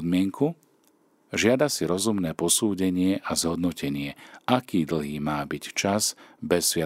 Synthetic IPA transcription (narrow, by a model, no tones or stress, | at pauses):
d̪mɪɛŋkʰu | ʒɪad̪asiɾɔzumnɛːpɔsuːɟɛɲɪɛʔazɦɔd̪nɔcɛɲɪɛʔakiːd̪l̩ɦiːmaːbict͡ʃazbɛsːʋɪa